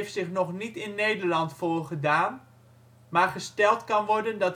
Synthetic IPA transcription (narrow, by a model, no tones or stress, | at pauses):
ftsɪχnɔχnitɪnːejdəɹlɑntfoːrχədaːn | maːrχəstɛlˠtkɑnʋɔɹdəndɑt